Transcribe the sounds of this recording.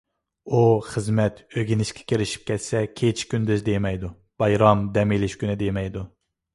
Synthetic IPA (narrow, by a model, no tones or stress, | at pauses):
uχəzmɛt̪ʰøɡʲinɪʃkʲʰɛ̥kʲʰeɾɪʃi̥p̚kʲɛt̪sɛkʲʰet͡ʃʰkʲynd̪ɪzd̪ejmɛjd̪u | b̥ɑjɾɑmd̪ɛmilɪʃkʲynɪd̪emɛjd̪u